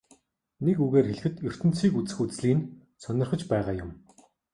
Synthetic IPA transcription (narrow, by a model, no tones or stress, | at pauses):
nekuɣeːrxeɮɘ̆xɘ̆t̪jɵr̥t̪ɘ̆nt͡siːkut͡sɘ̆xut͡sɮiːn | sœnʲɪ̆rχə̆t͡ɕpæɛʁaːjʊm